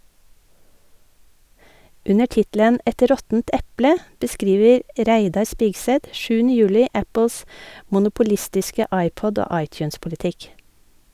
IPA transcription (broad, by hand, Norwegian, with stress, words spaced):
ˈʉnəɾ ˈtɪtlən ˈʔɛt ˈɾɔtn̩t ˈɛplə bəˈskɾiːʋəɾ ˈʔɾæɪdɑɾ ˈspɪɡsɛt ˈʃʉːn̩ə ˈjʉːlɪ ˈæpl̩s mʊnʊpʊˈlɪstɪskə ˈɑɪˌpɔd ˈoː ˈɑɪˌtjʉːnspʊlɪˌtɪk